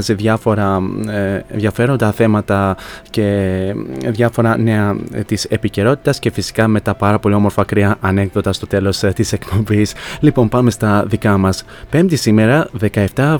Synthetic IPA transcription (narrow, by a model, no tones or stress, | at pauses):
zeðʝɐfo̞ɾɐ | ḛnðjʝɐfe̞ɾo̞nd̪ɐθe̞mɐt̪ɐce | ðʝɐfo̞ɾɐne̞ɐt̪ise̞pice̞ɾo̞t̪i̥t̪ɐsce̞fisi̥kɐme̞t̪ɐpɐɾɐpo̞lio̞mo̞ɾfɐkɾiɐʔɐne̞kðot̪ɐst̪o̞t̪e̞lo̞st̪ise̞kpo̞mbislipo̞mpɐme̞st̪ɐðikɐmɐs | pe̞md̪isime̞ɾɐðe̞kɐe̞ft̪ɐ